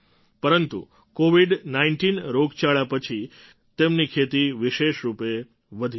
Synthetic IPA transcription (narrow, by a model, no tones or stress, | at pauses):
pəɾənt̪ṵ | koʋiɖnaiɳʈinɾoɡt͡ʃaɭjapət͡ʃʰi | t̪emnikʰet̪iʋiʃeʃɾupe | ʋəd̪ʱi